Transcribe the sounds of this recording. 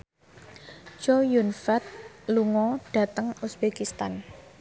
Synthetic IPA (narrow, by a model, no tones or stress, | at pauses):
d͡ʒojunfat̪̚luŋɔɖ̥ä̤t̪əŋusb̥ekist̪an